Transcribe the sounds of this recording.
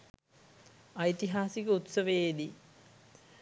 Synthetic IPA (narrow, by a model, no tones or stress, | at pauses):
ɐit̪iɦaːsikəut̪sɐʋejed̪i